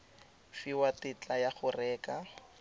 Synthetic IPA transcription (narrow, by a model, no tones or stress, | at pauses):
fiwatɪt͡ɬʼajaχʊrɛːka